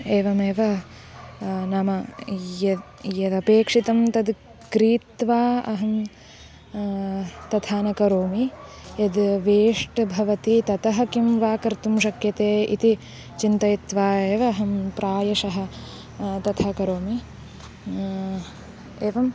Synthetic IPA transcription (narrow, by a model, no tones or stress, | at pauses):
eːʋɐmeːʋɐ | namɐjɐ | jɐd̪ɐpeːkʂit̪ɐmt̪ɐd̪ | kɾiːt̪ʋaːɐɦɐm | t̪ɐt̪ʰaːnɐkɐɾoːmijɐd̪ʋeːʂʈɐbʱɐʋɐt̪it̪ɐt̪ɐɦɐ̆kimʋaːkɐɾt̪umʃɐkjɐt̪eːḭt̪i | t͡ʃint̪ɐjit̪ʋaːeːʋɐːɦɐmpɾʔaːjɐʃɐɦɐ | t̪ɐt̪ʰɐkɐɾoːmi | eːʋɐm